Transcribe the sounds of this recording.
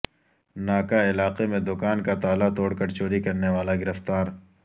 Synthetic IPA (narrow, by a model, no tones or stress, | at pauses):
naːkaɪlaːqemẽd̪ʊkaːnkat̪aːlat̪oːɽkɐɾt͡ʃoːɾikɐɾneʋaːlaɡɪɾəft̪aːɾ